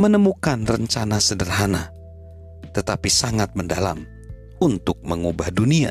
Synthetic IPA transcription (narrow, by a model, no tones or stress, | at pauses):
mənəmukanrəɲt͡ʃanasədərɦana | t̪ət̪apisaŋat̪̚məndala̰m | unt̪ʊk̚məŋubahdunia̰